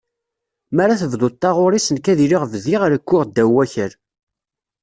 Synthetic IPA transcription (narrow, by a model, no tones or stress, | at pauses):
mæɾaθəvd̪ˤot̪ˤːɑʁʊɾisənkæðiɾiʁvðiʁɾəkːʊʁd̪ːæwːæçəɾ